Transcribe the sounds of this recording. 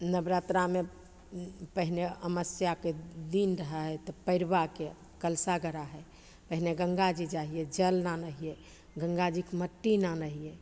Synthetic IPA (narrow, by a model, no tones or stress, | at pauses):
nəbɾat̪ɾame | pəɦineəməsjaked̪inɾəɦəɦɛt̪ɔpəɪɾbake | kəlsaɡəɾaɦɛ | pəɦineɡəŋɡad͡ʒid͡ʒaɦijɛd͡ʒəlnanəɦijɛ | ɡəŋɡad͡ʒikməʈːinanəɦije